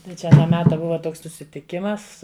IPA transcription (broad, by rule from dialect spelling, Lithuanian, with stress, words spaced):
tɐɪ ˈt͡ʃʲɛ ɐˈnɑː ˈmʲæːtɐ ˈbʊʋɐ ˈtoːks sʊsʲɪtʲɪˈkʲɪmɐs